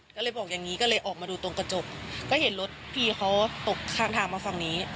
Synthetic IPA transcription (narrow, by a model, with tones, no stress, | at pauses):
kɔː˥˩lɤː˧jbɔː˨˩k̚ja˨˩ŋːiː˦˥kɔː˥˩lɤː˧jʔɔː˨˩k̚maː˧duː˧t̪o˧ŋka˧t͡ɕo˨˩k̚kɔː˥˩he˩˦nlo˦˥t̪̚pʰiː˧˩xʰa˦˥wt̪o˨˩k̚t̪ʰaː˧˩ŋt̪ʰaː˧˩ŋmaː˧fa˨˩ŋniː˦˥